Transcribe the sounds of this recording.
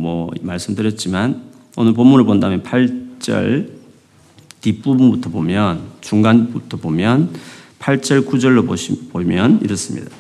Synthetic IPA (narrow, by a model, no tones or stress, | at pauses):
mwʌmaɭs͈ɯmdɯɾjʌt̚t͡ɕ͈iman | onɯɭp̬omːunɯɭpondaɦɯmjenpʰaɭt͡ɕ͈ʌ̰ɭ | tip͈ubunbutʰʌbomjʌnt͡ɕuŋɡanbutʰʌbomjʌnpʰaɭt͡ɕ͈ʌɭkud͡ʑʌɭːoopomjʌnḭɾʌs͈ɯmɲḭda